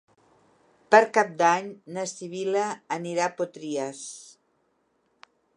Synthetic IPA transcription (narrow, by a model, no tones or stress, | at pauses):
pəɾkap̚d̪aɲnəsiβiləːniɾapot̪ɾiəs